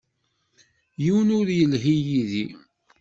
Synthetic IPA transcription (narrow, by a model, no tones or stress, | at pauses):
jiwənʊðjəlɦijiði